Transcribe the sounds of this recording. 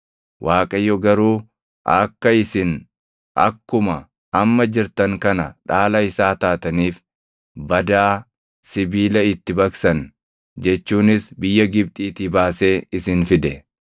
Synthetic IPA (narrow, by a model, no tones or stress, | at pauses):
wʔaːkʼɐjːɔɡɐɾuː | ʔɐ̰kːɐɪsɪn | ɐ̰kːʊmɐ | ɐmːɐd͡ʒɪɾt̪ɐŋkɐnɐᶑaːlɐɪsaːt̪aːt̪ɐniːf | bɐd̪aː | sɪbiːlɐɪt̪ːɪbɐksɐn | d͡ʒɛt͡ʃːuːnɪsbɪjːɐɡɪb̚t̪ʼiːt̪iːbaːse̞ːɪsɪnfɪd̪ɛ